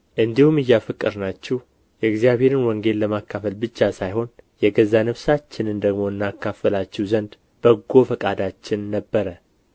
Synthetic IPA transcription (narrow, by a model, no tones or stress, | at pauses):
ʔɨnd̪ihumɨjːafɨkʼːɨɾnat͡ʃːɛh | jɛɡzijaβhe̞ɾɨnwɔŋɡe̞llːəmakːafəlbɨt͡ʃːasajho̞njɛɡəzːanəβsat͡ʃːɪnɨnd̪əɡmo̞ɨnːakːafəlat͡ʃːɛwzənd̪ | b̥əɡːo̞fəkʼad̪at͡ʃːɪnːəbːəɾə